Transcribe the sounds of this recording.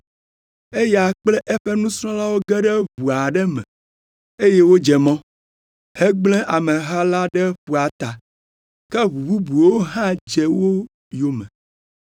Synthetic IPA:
e˦ja˨k͡plɛ˦ʔɛ˦ɸɛ˦nũ˦sɾɔ̃˦la˦wo˦ɡɛ˦ɖɛ˦βu˨a˨ɖɛ˦mɛ̰̃˨ | e˦je˦wo˦d͡ʒɛ˨mɔ̃˦ | hɛ˦ɡ͡blɛ̃˦ʔa˨mɛ̃˨ɦa˦la˦ɖɛ˦ɸu˨a˨t̪a˨ | kɛ˦βu˨bu˦bu˨wo˦ɦã˦d͡ʒɛ˨wo˦ | jo˨mɛ̰̃˨

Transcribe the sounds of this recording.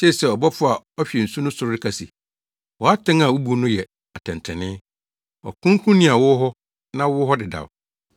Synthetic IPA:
se˦˨sɛ˨ɔ˨bɔ˦fʰʊ˦a˨ | ɔ˦ɕᶣɛ˨n̩˨sũ˦nʊ̃˦sʊ˨ɾɾɪ˦kʰa˨sḭ˨ | wɔ˨a˦tʰɪ̃˦ŋa˨wu˦bu˨˦nʊ̃˦jɛ˨ | a˨tʰɛ̃˨ntʰɛ̃˨nɪ̃˦ | ɔ̰˨kʰʊ̃˦kʰũ˦nɪ̃˦a˨wʊ˦ɦɔ˦ | nã˦wʊ˦ɦɔ˦dɪ˨da̰˨w

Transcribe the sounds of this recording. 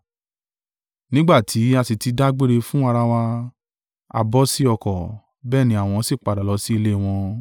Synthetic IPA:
nĩ˦ɡ͡ba˦˨tʰi˨˦a˧si˨ti˧da˦ɡ͡be˦ɾe˧fũ˦a˧ɾa˧wa˧ | a̰˨bɔ˦si˦ɔ˧kɔ˨ | bɛː˦˨nĩ˨˦a˦˨w̃ɔ̃˧˦si˦˨k͡pa˨˧da˨lɔ˨˧˦si˦i˧le˦˨w̃ɔ̃˧

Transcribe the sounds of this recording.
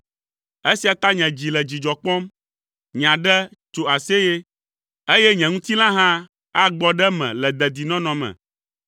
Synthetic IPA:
e˦si˨a˨t̪a˦ɲɛ̃˨d͡ʑi˨lɛ˨d͡ʑi˨d͡ʒɔ˨k͡pɔ̃˦m | ɲ˨ã˨ɖɛ˦t͡ʃo˨a˨se˦je˦ | e˦jɛ˦ɲɛ̃˨ŋũ˦t̪i˦lã˦ɦã˦ | a˦ɡ͡bɔ˦ɖɛ˦mɛ̰̃˨lɛ˨d̪ɛ˨d̪i˨nɔ̃˦nɔ̃˨mɛ̰̃˨

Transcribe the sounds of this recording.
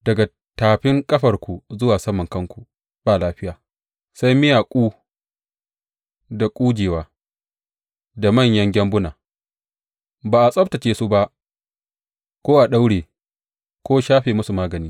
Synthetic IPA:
dɐ˨ɡa˨ | taː˨ɸɪ˦ŋkʼɐ˦ɸɐ˨rkʷu˨zʊ˦waː˨sɐ˦mːɐ˨ŋkɐ˦ŋkʷu˨ | baː˨laː˦ɸɪ˦jaː˨ | sa˦jmɪ˦jaː˨kʷʼuː˦ | da˨kʷʼuː˦d͡ʒeː˨waː˦ | da˨mɐ˦˨ɲjɐ˦ŋɡʲɛ˦mbʊ˦naː˨ | baː˨ʔa˨sʼɐ˦btɐ˨t͡ʃeː˨su˦ba˦ʔ | kʷoː˦ʔa˨ɗa˦wɽeː˨ | kʷoː˦ʃaː˦ɸeː˨mʊ˦su˨maː˦ɡɐ˨niː˦

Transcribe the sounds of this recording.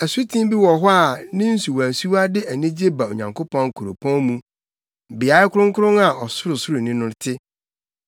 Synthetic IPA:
æ˨su˦tʰĩ˦bi˦wɔ˨ɦʊ˦a˨nɪ̃˦n̩˦su˨wæ̃˨su˦a˦dɪ˦æ˨nĩ˦d͡ʑe˦ba˨o̰˨ɲã˨ŋkʰo˦pʰɔ̃˦ŋ˦kʰu˨ɾo̰˨pʰɔ̃˦nmũ˦ | bɪ˨a˨˦ɪ˦kʰʊ˦ɾʊ̃˦ŋ̩˦kʰʊ˦ʊ̃˦na˨ɔ˨sʊ˦ɾʊ˨sʊ˦ɾʊ˨nɪ̃˦nʊ̃˦ɾtʰɪ˦

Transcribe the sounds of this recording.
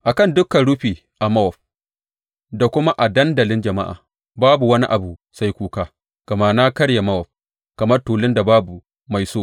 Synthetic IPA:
ʔa˨kɐ˦˨ndʊ˦kɐ˨nɽʊ˦ɸiː˨ | ʔa˨mɐ˦wɔ˨ɸ | da˨kʷʊ˦ma˦ʔa˨dɐ˦ndɐ˨lɪ˦nd͡ʒɐ˨ma˦ʔa̰ː˨ | baː˦bu˨wɐ˦ni˦ʔa˨bu˨sa˦jkʷuː˦kaː˦ | ɡ̥ɐ˨maː˨na˦kɐ˦ɽja˨mɐ˦wɔ˨ɸ̚ | kɐ˨mɐ˦rtuː˨lɪ˦nda˨baː˦bu˨ | ma˨jsoː˦

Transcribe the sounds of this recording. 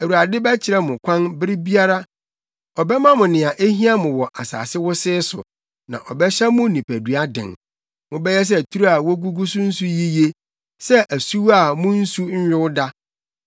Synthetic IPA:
æ˨wu˨ɾa˨dɪ˦bɛ˦t͡ɕʰɪ˨ɾɛ˦mʊ̃˨kʷʰã˦nbɪ˦ɾɪ˦bi˦a˦ɾa˦ | ɔ˨bɛ˦mã˦mʊ̃˨nɪ̃˨a˨ʔe˦ɦĩ˦a˦mʊ̃˨wɔ˨ʔa˨sa̰ː˨sɪ˦wʊ˦sɪː˦sʊ̰˨ | nã̰˨ʔɔ˨bɛ˦ɕɛ˦mʊ̃˦nĩ˨pʰæ˨du˨˦a˦dɪ̰̃˨n | mʊ̃˨bɛ˦jɛ˦s̬ɛ˦˨tʰu˦ɾu˦a˨wo˦ɡu˦ɡu˦sʊ˦n̩˦su˦ji˦je˦ | sɛ˦ʔæ˨su˦wa˨mʊ̃˦n̩˦su˦ɲ̩˦jᶣɪ˦wʊ˦da˦

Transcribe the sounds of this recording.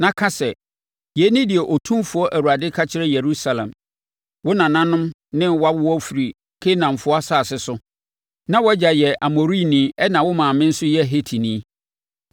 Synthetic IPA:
nã˦kʰã˦sɛ˨ | je˨˦nĩ˦dɪ˨ɛ˨ʔɔ˨tʰũ˦mfʊ˨ɔ˦ʔæ˨wu˨a˨dɪ˦kʰa˦t͡ɕʰɪ˦ɾɛ˦je˨ɾu˦sa˨lɛ̰̃˨m | wʊ˦nã˨nã˦nʊ̃˦m | nɪ̃˦wa˦wʊ˦wɔ˦fi˨ɾi˨ | kʰe˦nã˨m̩˨fʊ˦a˦saː˦˨sɪ˦sʊ˦ | nã˦wɔ˦d͡ʑa˨jɛ˨ʔa˨mo˨ɾi˦nĩ˨˦ɛ˦nã˨wʊ˦mãː˨mɪ̃˦n̩˦sʊ˦jɛ˦˨ɦe˦tʰi˨nĩ˦

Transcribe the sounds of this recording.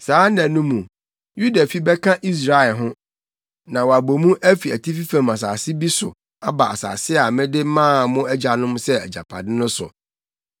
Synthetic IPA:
saː˨˦nɛ̃˨nũ˦mũ˨ | ju˦da˨fi˦bɛ˦kʰã˦ʔi˦s̬ɾa˨˦ɛ˨lɦʊ̃˦ | nã˨wɔ˨a˨bo˨mũ˦ʔæ˦fi˨æ˨tʰi˦fi˦fæ̃˨ma˨s̬aː˨sɪ˦bi˦sʊ̰˨ | a˦ba˨ʔa̰˨sa̰ː˨sɪ˦a˨mɪ̃˦dɪ˦mãː˦˨mʊ̃˦æ˦d͡ʑa˨nʊ̃˦msɛ˦æ̰˨d͡ʑa̰˨pʰa̰˨dɪ̃˦nʊ̃˦sʊ̰˨

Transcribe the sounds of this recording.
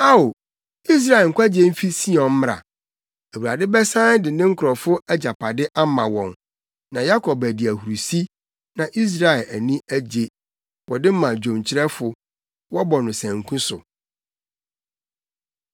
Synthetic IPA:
a˦o˨ | i˦s̬ɾa˨ɛ˨ŋ̩˨kʰʷa˦d͡ʑe˦m̩˦fi˦si˦ɔ̃˨m̩˦m˦ɾa̰˨ | æ˨wu˨ɾa˨dɪ˦bɛ˦sã˦n˦dɪ˨nɪ̃˦ŋ̩˦kʰʊ˨ɾɔ˨fʊ˦æ˦d͡ʑa˨pʰa˨dɪ˦ʔa˦mã˨wɔ̃˨n | nã˨ja˦kʰɔ˨bæ˨di˨æ˨hu˨ɾu˨si˦ | nã˨ʔi˦s̬ɾa˨ɛ˨læ˨nĩ˦ʔæ˦d͡ʑe˨ | wɔ˨dɪ˦mã˨d͡ʑõ˨mt͡ɕʰɪ˦ɾɛ˦fʊ˨ | wɔ˦bɔ˨nʊ̃˨sæ̃˨ŋ˨kʰũ˦sʊ˨

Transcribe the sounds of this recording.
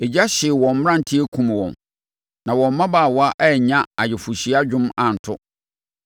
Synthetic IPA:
e˨d͡ʑa˦ɕɪ˨wɔ̃˨m˦m˦ɾã˦˨n˨tʰi˦e˦kʰũ˨m˨wɔ̰̃˨n | nã˨wɔ̃˨m̩˦mã˦baː˦˨wɔ˦a˦ʔɛ˦˨ɲã˦a˨jɪ˨fu˨ɕi˨a˦d͡ʑᶣʊ̃˦mã˨n̩˨tʰʊ˦

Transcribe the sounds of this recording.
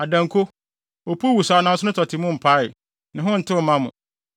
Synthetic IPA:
a˨dã˨ŋkʰo˦ | ɔ˨pʰu˦wu˨saː˨˦nã˦sʊ˦ʊ̃˦tʰɔ˨tʰɪ˨mʊ̃˦m̩˨pʰa˦ɪ˨ | nɪ̃˨ɦʊ̃˦n̩˨tʰɪ˦wɔ˨mã˦mʊ̰̃˨

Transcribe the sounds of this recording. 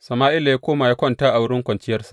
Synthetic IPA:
sɐ˨maː˦ʔɪ˦la˨ja˦kʷoː˦ma˨ja˦kʷɐ˦ntaː˦ʔa˨wʊ˦ɽɪ˦ŋkʷɐ˨nt͡ʃɪ˦jɐ˦rsḁ˨

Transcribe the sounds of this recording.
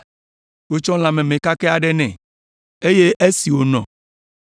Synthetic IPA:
wo˨t͡ʃɔ˦l̃ã˨mɛ̃˨mẽ˨ka˦kɛ˦a˨ɖɛ˦nɛ̰̃˨ | e˦je˦ʔe˦si˨wo˨nɔ̰̃˨

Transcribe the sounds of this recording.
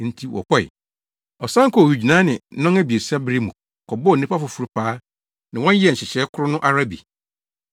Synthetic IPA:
n̩˨˦tʰi˦wɔ̰˨kʰʷɔ˦ɪ̰˨ | ɔ˨sã˦ŋ˦kɔ˦˨wi˨d͡ʑi˨nã˨˦nɪ̃˨˦nɔ̃˦ŋæ˦bi˨e˨sa˦bɾi˦mũ˨ | kʰɔ˨bɔ˦˨˦ĩ˦pa˦fʊ˨fu˨ɾu˦pʰaː˦ | nã˨wɔ̃˦n˦ji˦ɛ˦˨ɕɪ˨ɕɛ˨˦kʰʊ˦ɾʊ˦nʊ̃˦ʔa˦ɾa˦bḭ˨

